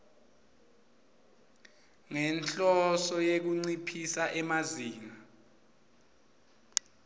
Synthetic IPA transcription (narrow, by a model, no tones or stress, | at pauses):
ŋɛnt͡ɬʼɔsɔjek̬uŋ͡ǀipʰisaʔɛmaziːna